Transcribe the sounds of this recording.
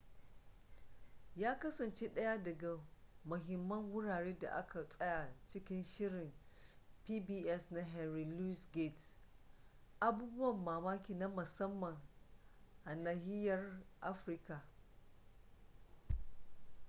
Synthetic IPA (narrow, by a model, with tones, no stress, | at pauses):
jaː˦kɐ˦sɐ˨nt͡ʃe˦ɗɐ˦ja˦dɐ˨ɡa˨mʊ˨ɦɪ˨mːɐ˦ŋwʊ˦ɽaː˨ɽeː˦da̰˨ʔa̰˦kʰa˨sʼɐ˦ja˨t͡ʃɪ˦kʲɪ˦nʃɪ˦ɽɪ˨mpiː˦biː˦ʔɛ˦sna˦ɦɛ˨nɾi˨lu˦sɡe˦˨t | ʔa˦buː˦bʊ˦wɐ˨mːaː˨maː˦kʲiː˨na˦mʊ˨sɐ˦mːɐ˨ŋ | ʔa˨naː˨hɪ˦jɐ˨rʔa˦ɸɾɪ˦ka˨